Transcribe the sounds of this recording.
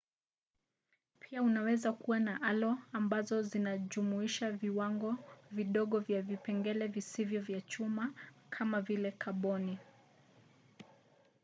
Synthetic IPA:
pʰiaunawɛzakuwanaʔalɔambazɔzinaʄumuiʃaviwaŋɡɔviɗɔɠɔvjavipɛŋɡɛlɛvisivjɔvjat͡ʃumakʰamavilɛkʰaɓɔni

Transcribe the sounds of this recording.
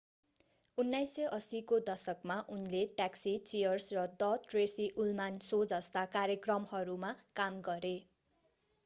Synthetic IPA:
unːajsʌʔʌsikod̪ʌsʌkmaʔunleʈaksit͡sijʌrsrʌd̪ʌʈresiʔulmansod͡zʌst̪akaɾjʌkrʌmhʌɾumakamɡʌɾe

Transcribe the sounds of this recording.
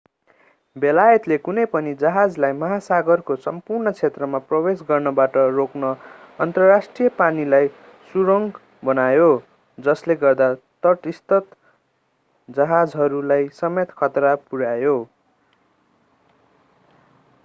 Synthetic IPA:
belajʌt̪lekunʌjpʌnid͡zʌɦad͡zlajmʌɦasaɡʌrkosʌmpurnʌt͡sʰet̪rʌmaprʌwesɡʌrnʌbaʈʌroknʌ | ʌnt̪ʌrasʈrijʌpanilaj | suɾʌŋɡ | bʌnajo | d͡zʌsleɡʌrd̪a | t̪ʌʈist̪ʌt̪ | d͡zʌɦad͡zɦʌɾulajsʌmet̪kʰʌt̪rapuɽajo

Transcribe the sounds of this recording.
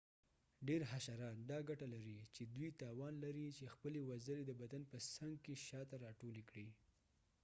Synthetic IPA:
ɖeɾɦaʃaɾɑt̪d̪ɑɡaʈalaɾit͡ʃed̪wujt̪ɑwɑnlaɾit͡ʃexpəlewazəled̪əbad̪anpəsaŋɡkeʃɑt̪aɾɑʈolekɽi

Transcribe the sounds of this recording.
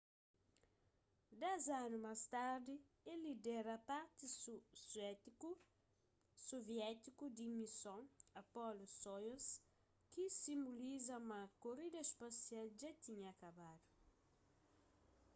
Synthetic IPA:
d̪ɛzanumast̪aɾd̪i | elid̪ɛɾɐpaɾt̪isɛ | soviɛt̪ikud̪imisõŋɐpɔlosojɐs | kisĩmbulizɐmɐkoɾid̪ɐspasialʒat̪iɲɐːkabad̪ʊ

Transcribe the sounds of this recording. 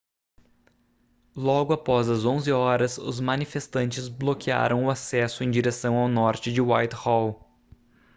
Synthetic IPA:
lɔɡʊapɔzɐzõzɪɔɾɐsʊ̰zmɐnifest̪ɐ̃nt͡ʃɪzblokia̰ɾɐ̃w̃ʊasɛsʊẽj̃d͡ʒiɾesɐ̃w̃awnɔɾt͡ʃɪd͡ʒɪwajt̪hɔw

